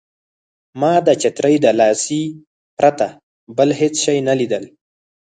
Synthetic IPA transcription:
mɑd̪ət͡ʃɪt̪ɾəjd̪əlɑsi | pɾat̪a | bəlhet͡sʃajnalid̪əl

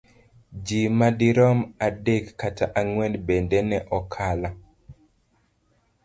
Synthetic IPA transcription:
d͡ʒimadiɾɔmadekːatʰaʔaŋwɛnbendɛnɛʔɔkʰala

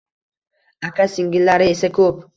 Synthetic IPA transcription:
akʰasɪŋɡʲɪlːaɾɪesakʰɵp

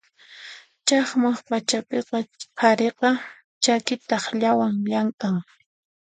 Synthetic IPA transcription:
t͡ʃɑχmaχpat͡ʃapeqɑpʰaɾeqɑ | t͡ʃakɪt̪ɑχʎawaŋʎaŋkʼaŋ

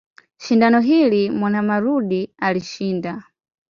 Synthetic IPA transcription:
ʃindanɔɦilimwanamaɾuɗialiʃiːnda

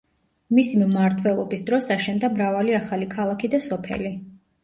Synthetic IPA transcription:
misimmaɾt̪ʰwɛlˠɔbisd̪ɾɔsaʃɛnd̪amɾavaliaχalikʰalˠakʰid̪asɔpʰɛ̰li

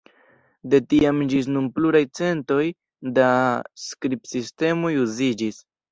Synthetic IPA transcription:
de̞tiamd͡ʒis̬numpluɾajt͡se̞nto̞j | daskɾipsiste̞mo̞juzid͡ʒis

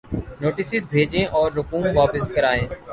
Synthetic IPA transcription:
noːʈɪsɪzbʱeːd͡ʒẽːʔɔːɾːʊkuːmʋaːpɪskəɾaːẽː

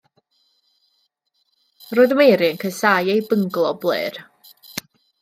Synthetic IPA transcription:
roːɨðəmejɾɪənkʰəsajejbəŋɡlˠɔblˠɨ̰ːr

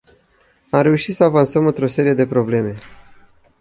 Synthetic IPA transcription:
amɾe̞uʃit̪səavansəmɨnt̪ɾo̞se̞ɾije̞d̪e̞pɾo̞ble̞me̞

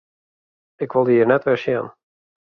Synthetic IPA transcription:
ɪkʋolˠdiːərnɛtʋɪʃjɛ̰n

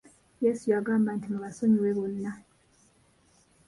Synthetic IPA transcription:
jeːsujaɡaːmbantimuβaso̞ɲiweβonːa

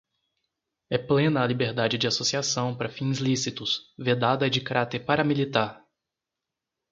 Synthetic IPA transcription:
ɛplẽnɐːlibeɾd̪ad͡ʒɪd͡ʒɪasosiasɐ̃w̃paɾɐfĩzlisit̪ʊsved̪ad̪ɐd͡ʒɪkaɾat̪eɾpaɾɐmilit̪aɾ

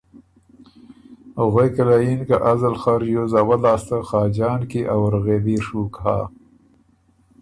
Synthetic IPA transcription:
ɣwekalajinkaʔazalxaɾjozawalɑːst̪axɑːd͡ʒɑːnkiʔawɾɣeːd̪iʂukha̰

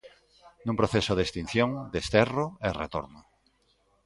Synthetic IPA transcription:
nũŋpɾoθesʊðest̪in̟θjõŋd̪est̪ɛroɛrḛt̪o̰ɾno

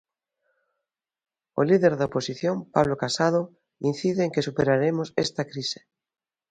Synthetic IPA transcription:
o̰liðeɾðaoposiθjompaβlokasað̞o | in̟θiðeːŋkesupeɾaɾemosest̪akɾise̥

